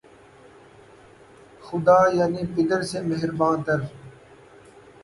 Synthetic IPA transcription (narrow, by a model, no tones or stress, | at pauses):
xʊd̪aːjaːniːpɪd̪əɾseːmeɦɪɾbãːnt̪əɾ